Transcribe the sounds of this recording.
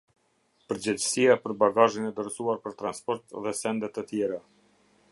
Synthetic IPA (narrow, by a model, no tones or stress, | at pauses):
pəɾd͡ʑɛd͡ʑəsijapəɾbaɡaʒinɛd̪əɾsuaɾpəɾt̪ɾanspɔɾt̪ðɛsɛnd̪ɛt̪ət̪jɛɾa